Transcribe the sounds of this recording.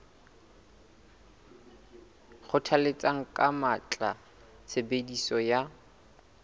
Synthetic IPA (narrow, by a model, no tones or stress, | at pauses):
χʊtʰalet͡sʼaŋ̩kʼamat͡ɬʼa | t͡sʰebedisɔja